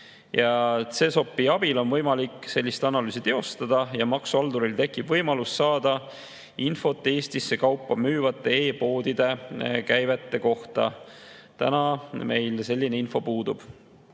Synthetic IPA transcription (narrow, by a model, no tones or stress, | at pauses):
jɑt̪se̞so̞pːˑiɑb̥ilo̞nvɤ̞jmɑlikːˑse̞lʲːist̪ɑnɑlyːsit̪e̞o̞st̪ɑd̪̥ɑjɑmɑksuɑld̪uɾilt̪e̞kːˑib̥vɤjmɑlusːɑːd̪̥ɑ | info̞t̪ːˑee̞ːst̪isːe̞kɑwpːɑmyːvɑt̪ːˑe̞e̞ːpo̞ːd̪̥id̪̥e̞kæjve̞t̪ːe̞ko̞ht̪ɑ̰t̪ænɑme̞jlse̞lʲːine̞info̞puːd̪̥ub̥